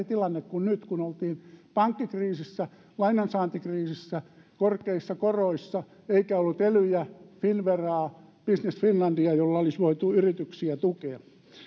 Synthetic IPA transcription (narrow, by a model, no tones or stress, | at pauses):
it̪ilɑnːekkunnyt̪kunolt̪iːnpɑŋkːikriːsisːæ | lɑinɑnsɑːnt̪ikriːsisːækorkeisːɑkoroisːɑ | eikæolːut̪elyjæfinʋerɑːpisnesfinlɑndiɑjolːɑolisʋoit̪uyrit̪yksiæt̪ukeɑ